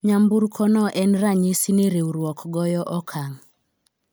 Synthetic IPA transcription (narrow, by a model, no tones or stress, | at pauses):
ɲambuɾkʰɔnɔʔɛnraɲisineɾewɾwɔkɡɔjɔʔɔkʰaŋ